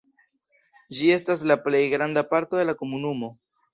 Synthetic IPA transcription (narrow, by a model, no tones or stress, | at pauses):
d͡ʒie̞staslaple̞jɡɾandapaɾto̞d̪e̞lako̞munumo̞